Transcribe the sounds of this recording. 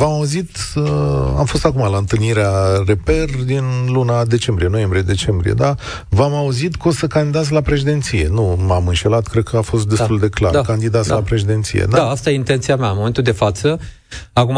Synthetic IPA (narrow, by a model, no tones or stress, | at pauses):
vamauzit̪ | a̰mfo̞st̪akumalaɨnt̪ɨlniɾeare̞perd̪inlunad̪e̞t͡ʃe̞mbɾije̞no̞je̞mbɾije̞d̪e̞t͡ʃe̞mbɾḭje̞̰d̪a | vamauzit̪kosəkand̪id̪at̪s̬ʲlapɾeʃ̬id̪e̞nt̪sije̞numamɨnʃe̞lat̪kɾed̪̚kʰəafo̞st̪̚d̪e̞st̪uld̪e̞kla̰ɾakand̪id̪at̪sʲlapɾe̞ʃid̪e̞nt̪sḭjḛd̪aaast̪ajeint̪ent̪siameanmome̞nt̪uld̪efat̪sə | aku